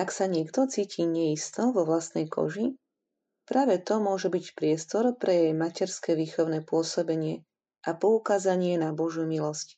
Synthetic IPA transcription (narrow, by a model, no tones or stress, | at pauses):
aksaɲɪɛkt̪ɔt͡siːcʰiːɲɛist̪ɔʋɔʋlast̪nɛjkʰɔ̰ʒi | pɾaːʋɛt̪ɔmʊɔʒɛbicpɾɪɛst̪ɔɾpɾʔɛjɛjmacɛɾskɛːʋiːxɔʊnɛpʊɔsɔbɛɲɪɛ | ʔapɔukaːzaɲɪɛnabɔʒjumilɔsc